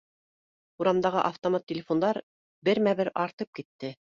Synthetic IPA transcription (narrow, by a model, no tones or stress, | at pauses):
uɾɑmd̪ɑʁɤ̰ʔɑft̪omɑt̪ːʲɪlʲɪfond̪ɑɾ | bɘɾmæβɘɾɑɾt̪ɤp̚kit̪ːɘ